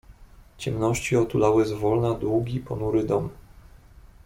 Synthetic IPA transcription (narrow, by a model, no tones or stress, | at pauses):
t͡ɕɛmnɔɕt͡ɕiɔt̪ulawɘzvɔlnad̪wuɡʲipɔnuɾɘd̪ɔm